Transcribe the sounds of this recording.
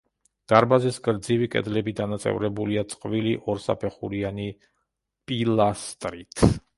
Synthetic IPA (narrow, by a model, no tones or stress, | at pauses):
d̪̥aɾbazisɡʼɾd̪zivikʼɛ̰d̪lɛbid̪anat̪sʼɛ̰vɾɛbuliat̪sʼqʼviliʔɔɾsa̰pʰɛχuɾiani | pʼilast̪ʼɾit̪ʰ